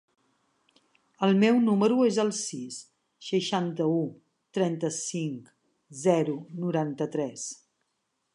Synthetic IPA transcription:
əlˠmɛwnuməɾuezəlˠsisː | əʃant̪əu | t̪ɾɛnt̪əsiŋk | zɛɾunuɾant̪ət̪ɾɛs

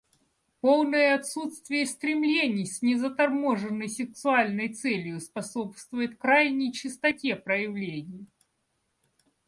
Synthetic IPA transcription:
po̞lˠnəjəɐt̪sut̪st̪vʲɪjəsʲt̪ɾʲɪmlʲenʲɪjsʲnʲɪzət̪ɐrmoʐɨnːəjsʲɪksʊalʲnəjt̪sɛlʲjʊspɐsopst̪vʊjɪt̪̚kɾajnʲɪjt͡ɕɪst̪ɐtʲe̞pɾəjɪvlʲenʲɪj

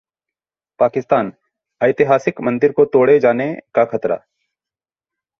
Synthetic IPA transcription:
paːkɪst̪aːn | ɐjt̪ɪɦaːsɪkmɐ̃nd̪ɪɾkot̪oːɽed͡ʒaːnekaxʰɐt̪ɾa̰ː

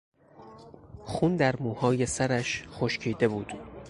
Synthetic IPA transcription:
xund̪æɾmuːhɒːje̞sæɾæʃχoʃcʰiːd̪e̞buːd̪̥

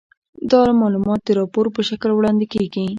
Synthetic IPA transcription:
d̪ɑlamɑlumɑt̪̚d̪əɾɑpoɾpəʃaklwɽɑnd̪ikeɡi

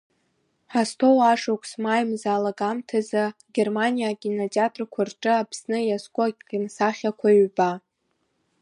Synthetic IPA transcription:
ħastʰowaʂokʷʰʼsmajmzaːlaɡamtʰazaɡʲermanijaɡʲinotʼiatʰʼrkʷʰarʈ͡ʂʼɨapʰsnɨjaskʷʼʊnsaχʲakʷʰaɥba

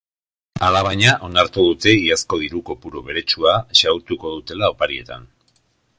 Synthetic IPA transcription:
alaβajɲaʔo̞naɾt̪uðut̪e̞iasko̞ð̞iɾuko̞puɾoβe̞ɾe̞t͡ʃuaʃawt̪uko̞ðut̪e̞lao̞paɾie̞t̪a̰n

